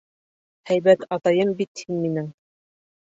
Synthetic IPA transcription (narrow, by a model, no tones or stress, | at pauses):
hæjbæt̪ɑt̪ɑjɤmbit̪hinminɘŋ